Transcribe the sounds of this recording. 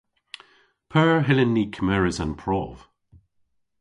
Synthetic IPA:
pʰɜːɹɦɪlɪnːiːkʰmɛɹɪzə̃npʰɹ̥ɔv̥

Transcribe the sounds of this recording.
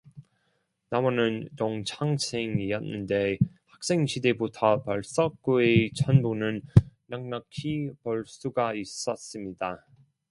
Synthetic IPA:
namʌnɯnt͡ɕoŋt͡ɕʰaŋsʰeŋiʌt̚nɯnde̞ | hak̚s͈e̞ŋɕʰide̞botʰʌpaɭs͈ʌk̚k͈oet͡ɕʰʌnbonɯnː | aŋnakʰipʌɭs͈uɡais͈ʌs͈ɯmɲida

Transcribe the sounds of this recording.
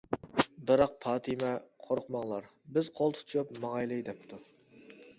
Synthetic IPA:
bɨɾɑq̚pʰɑːt̪ʰɨmɛqʰoɾqmɑŋlˠɑɾ | bɪzqʰolˠt̪ʰu̥t͡ʃʰjupmɑʁɑjlˠɨjd̪ɛp̚t̪ʰu

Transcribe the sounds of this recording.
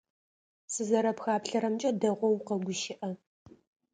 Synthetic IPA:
sɨzɐɾɐpxaːpɬɐɾɐmt͡ʃʼɐdɐʁʷɔwqɐɡʷʊʃɪʔɐ

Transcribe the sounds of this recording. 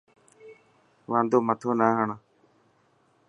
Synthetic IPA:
ʋãːnd̪oːmət̪ʰoːnaːɦəɳ

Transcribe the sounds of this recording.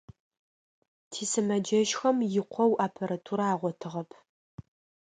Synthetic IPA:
tʰiːsɨmɐd͡ʒɐʃxɐmjɪqʷʰɔwʔaːpʰɐɾɐtʰuɾaːʁʷɔtʰɨʁɐpʰ

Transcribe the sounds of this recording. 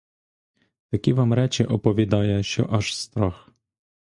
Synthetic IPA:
t̪ɐkʲiʋamɾɛt͡ʃɪʔɔpɔʋʲid̪ɑjɛʃt͡ʃɔ̰ʔɐʃst̪ɾɔx

